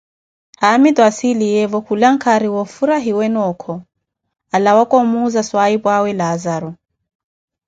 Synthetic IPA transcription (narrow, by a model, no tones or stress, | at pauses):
hamit̪wasilijɛvɔkʰulaŋ̩kʰaɾiwɔfuɾaɦiwɛnɔkʰɔ | alawakɔmuzaswaipwawɛlazaɾu